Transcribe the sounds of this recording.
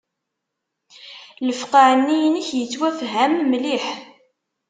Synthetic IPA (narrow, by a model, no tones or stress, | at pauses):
ləfqaʕənːijnəçjət͡sːwæfɦæmːliħ